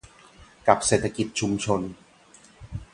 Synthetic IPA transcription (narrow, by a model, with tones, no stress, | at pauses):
ka˨˩p̚seː˨˩t̪ʰa˧ki˨˩t̪̚t͡ɕʰu˧mt͡ɕʰo˧n